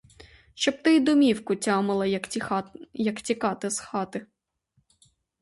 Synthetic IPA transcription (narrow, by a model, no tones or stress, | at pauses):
ʃt͡ʃɔb̚t̪ɪjd̪ʊmʲiwkʊtʲɑmɪlˠɐ | jɐktʲikɑt̪ɪsxɑt̪ɪ